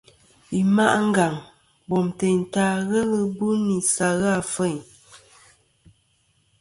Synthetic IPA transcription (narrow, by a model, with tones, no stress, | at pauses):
i˨ma̰˦ʔŋ̩˦ɡa˨ŋ | bɔ˨mte˨n̩˨taː˨˦ɣɛ˦lə˦bu˦ni˨sa˨ɣa˦˨fə˦˨